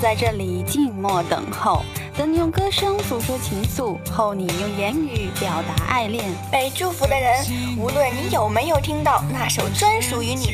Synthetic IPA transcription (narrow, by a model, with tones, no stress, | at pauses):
t͡sa˥˧ɪʈ͡ʂɤ˥˩li˨˩t͡ɕi˥˧nmwɔ˥˩t̪ɤ̰˨˩ŋxo˥˩ʊt͡s̪ɤ˧˥ŋni˨˩jʊ˥˩ŋkɤ˥ʂɤ˥ŋsu˧˥xɤ˥t͡ɕʰi˧˥ŋsu˥˩xo˥˩ʊni˨˩jʊ˥˩ŋjɛ˧˥ny˧˥pjɑ˨˩ʊt̪a˧˥ʔa̰˥˧ɪljɛ˥˩npe˨˩ɪʈ͡ʂu˥˩fu˧˥d̪ə˧ɻə˧˥nu˧˥lwə˥˩nni˧˥jo˨˩ʊme˧˥ɪjo˨˩ʊt̪ʰi˥ŋt̪ɑ˥˧ʊna˥˩ʂo˨˩ʊt͡swə˥nʂu˧˥y˧˥ni˨˩